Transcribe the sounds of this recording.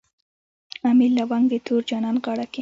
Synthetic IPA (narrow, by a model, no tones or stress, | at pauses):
amilːawaŋɡd̪et̪ʰoɾd͡ʒɑnɑnɣɑɽake